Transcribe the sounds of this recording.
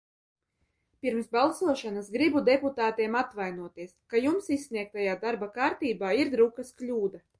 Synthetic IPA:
piɾmsbalˠsuɔʃanasɡɾibud̪ɛput̪aːt̪iɛmat̪vajnuɔt̪iɛskajumsisʲːniɛk̚t̪ajaːd̪aɾbakaːɾt̪iːbaːiɾd̪ɾukɐsklʲuːd̪a

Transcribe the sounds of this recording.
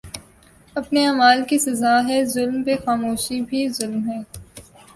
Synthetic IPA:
ɐpneaːmaːlkisɐzaːɦɛzʊlmpexaːmoːʃibʱizʊlmɦɛː

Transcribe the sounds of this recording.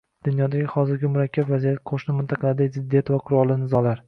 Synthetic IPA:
d̪̥ʊnjɒd̪aɡʲɪhɒzɪɾɡʲɪmʊɾakʲʰːabvazijat̪qʰoʃnɪmʊnt̪ʰɑqʰɑlaɾɪd̪akʲzɪd̪ːijat̪vaqʰʊɾɒlˠɪnɪzɒlaɾ

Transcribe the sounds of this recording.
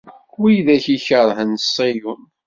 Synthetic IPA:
wijðæçiçəɾˤɦənsˤːejun

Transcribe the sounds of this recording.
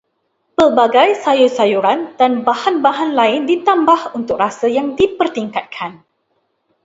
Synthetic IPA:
pəlbaɡajsajusajuɾand̥anbahanbaɦanlaɪndit̪ambahunt̪ʊk̚rasəjaŋdipərt̪iŋkat̪̚kʰan

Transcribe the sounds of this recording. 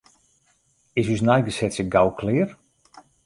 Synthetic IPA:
ɪsysnajɡəsɛtsəɡawkʰlɪːr

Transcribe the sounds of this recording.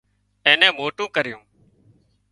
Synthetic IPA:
ẽːnɛ̃ːmoːʈũːkəɾɪjũː

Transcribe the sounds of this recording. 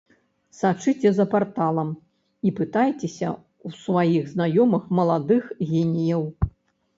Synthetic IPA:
sat͡ʂɨt͡sʲɛzɐpart̪alˠɐm | ipɨt̪ajt͡sʲɛsʲɐ̰ | wsvajiɣznajɔmɐxmɐlˠad̪ɨxɣʲenʲijɐw

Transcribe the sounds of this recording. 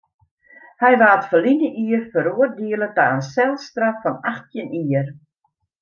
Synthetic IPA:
hɛjʋaːtfəlinəʔiərfəɾuərdiələtaənsɛlˠstrafːɔnaxtjəniər

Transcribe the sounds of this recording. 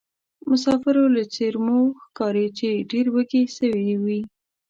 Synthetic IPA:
mʊs̬ɑfɪɾolat͡seɾmoxkɑɾet͡ʃeɖeɾwəɡesəwiwi

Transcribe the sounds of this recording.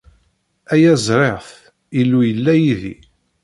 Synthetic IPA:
æjæzˤɾˤeʁθ | ilːujəlːæjiðḭ

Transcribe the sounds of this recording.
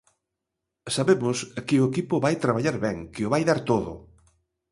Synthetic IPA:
saβemʊskɪʊekipʊβajt̪ɾaβaʎaɾβɛŋkɪʊβajðaɾt̪oðʊ̰

